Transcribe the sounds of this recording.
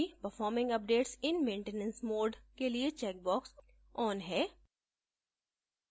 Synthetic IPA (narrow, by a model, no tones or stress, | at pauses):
ipəɾfɔːɾmɪ̃ŋɡɐp̚ɖeːʈsɪnmẽːɳʈenə̃nsmoːɖkeliet͡ʃɛːk̚bɔːks | ɔːnɦɛː